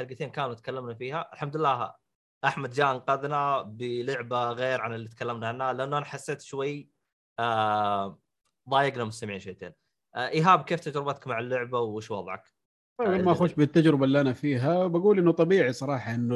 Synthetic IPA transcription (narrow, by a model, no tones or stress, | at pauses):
aɾɡat̪eːnkaːnut̪kalːamnafiːhaʔɪlħamd̪ɪlːaːh | ʔaħmad̪̚d͡ʒaːʔanqɑðnabɪlʊʕbaɣeːɾʕanɪlːiːt̪̚kalːamnaʕanːalɪʔanːuʔanaħasːeːt̪ʃwajː | a | ðˤɑːjɪɡnamʊst̪amʕiːnʃejːt̪ḛːn | ʔʔɪɦaːbkeːft̪ad͡ʒɾɪbat̪ḁkmaʕalːʊʕbawɪʃwɑðˤʕɑ̰k | t̪ˤɑjbamaʔaxuːʃbɪt̪ːad͡ʒɾɪbaʔlːiʔanafiːɦawbaɡuːlʔɪnːʊt̪ˤɑbiːʕisˤɑɾˤɑːħɑʔɪnː